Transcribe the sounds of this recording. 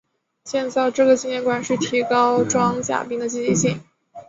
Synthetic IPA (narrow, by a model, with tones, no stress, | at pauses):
ɕjɛ˥˧nt͡sa˥˧ɪʈ͡ʂɤ˥˩ɡə˩t͡ɕi˥njɛ˥˩nkwa˨˩nʂɻ̩˥˩t̪ʰi˧˥kɑ˥ʊʈ͡ʂwɑ˥ŋt͡ɕja̰˨˩pi˥ŋd̪ə˨t͡ɕi˥˧t͡ɕi˥˧ɕi˥˩ŋ